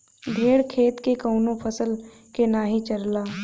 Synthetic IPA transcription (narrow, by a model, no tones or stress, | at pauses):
d̪ʱeːɽkʰeːt̪kekəʊnõpʰəsəl | kenaːɦit͡ʃɐɾlaː